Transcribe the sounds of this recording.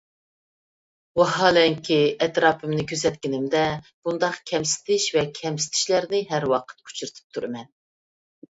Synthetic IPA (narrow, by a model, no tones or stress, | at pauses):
wɑɦɑːlɛŋkʲʰiɛt̪ɾɑːpʰɨmnɪkʲʰøs̬ɛt̪̚kʲɪnɪmd̪ɛb̥und̪ɑqkʲʰɛmsɪ̥t̪ʰɪʃvɛkʲʰɛmsɪ̥t̪ʰɪ̥ʃlæɾnɪɦæɾwɑqʰə̥t̪kʰu̥t͡ʃʰuɾt̪ʰɨ̥p̚t̪ʰuɾɨmɛn